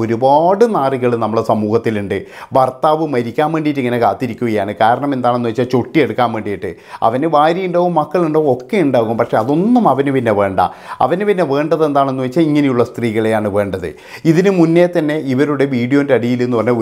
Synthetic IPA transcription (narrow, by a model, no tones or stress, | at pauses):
o̞ɾubaːɽɨnaːriɣɐɭɨnɐmːɐɭesɐmuːhɐt̪ːiluɳɖɨbɐrt̪aːʋɨmɐɾikʲːaːmʋe̞ːɳɖijʈːiŋːɐne̞kaːt̪ːiɾikʲːuɣɐjaːɳɨkaːɾɐɳɐme̞nd̪aːɳe̞nːuɐit͡ɕːaːt͡ɕo̞ʈːieɽukːaːmʋe̞ːɳɖijiʈːɨ | ɐ̰ʋɐneʋaːɾjijuɳɖoːʋumːɐkːɐɭuɳɖoːumo̞kːe̞uɳɖaːɣuuɐmpɐkʂe̞ɐðo̞nːumɐʋɐnɨpinːe̞ʋe̞ːɳɖa̰ɐ̰ʋɐnɨpinːe̞ʋe̞ːɳɖɐðe̞nd̪aːɳenːuʋɐit͡ɕːaliŋːɐnejuɭːɐst̪riːɣɐɭejaːɳɨʋe̞ːɳɖɐðɨ̰ | iðinɨmunːet̪ɐnːe̞iʋɐɾuɽe̞ʋiːɽijoindeɐɽijilenːupɐrne